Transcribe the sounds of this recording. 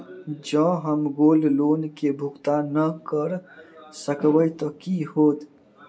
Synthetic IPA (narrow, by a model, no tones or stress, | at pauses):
d͡ʒə̃ɦəmɡollonkebʱukt̪anəkəɾsəkbəjt̪əkiɦot̪